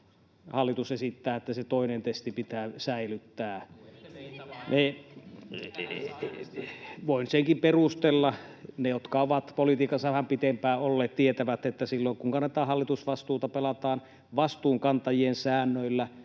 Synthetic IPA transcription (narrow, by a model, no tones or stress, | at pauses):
hɑlːit̪usesit̪ːæːet̪ːæset̪oˑinent̪est̪ipit̪æːsæilyt̪ːæː | nʔe | ʋoinseŋkimperust̪elːɑnejot̪kɑoʋɑt̪polit̪iːkɑsːɑʋæhæmpit̪empæːolːeːt̪t̪iet̪æʋæt̪ːet̪ːæsilːoŋkuŋkɑnːet̪ɑːhɑlːit̪usʋɑst̪uːt̪ɑpelɑt̪ɑːn | ʋɑst̪uːŋkɑnt̪ɑjiensæːnːøilːæ